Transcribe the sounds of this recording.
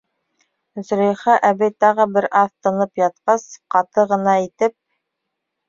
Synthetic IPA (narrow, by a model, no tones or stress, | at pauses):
z̆ɾejχɑʔæbɘjt̪ɑʁɤbɘɾʔɑθt̪ɤ̆nɤpjɑt̪̚qɑsqɑt̪ɤʁɤ̆nɑit̪ɘp̚